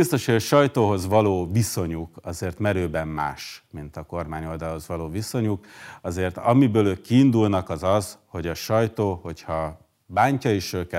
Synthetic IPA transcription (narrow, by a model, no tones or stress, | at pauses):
bist̪o̞ʃeʃɒjt̪oːɦo̞zʋɒloːviso̞ɲukɒzeːrt̪mɛɾøːbɛmma̰ːʃmint̪ɒko̞rmaːɲo̞ld̪ɒlho̞zʋɒloːviso̞ɲukɒzeːrt̪ɒmibøːløːkːiːnd̪ulnɒkɒzɒzho̞ɟɒʃɒjt̪oːho̞chɒ | baːɲcɒeʃøːkɛ